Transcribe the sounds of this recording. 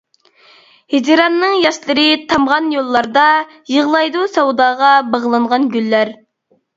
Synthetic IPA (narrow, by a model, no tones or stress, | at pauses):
hed͡ʒɾɑnːɨŋjɑʃlˠɨɾɨt̪ʰɑmʁɑnjolˠːɑɾd̪ɑ | jəʁlˠɑjd̪usɑwd̪ɑːʁɑbɑʁlˠɨɴʁɑnɡʲylːæɾ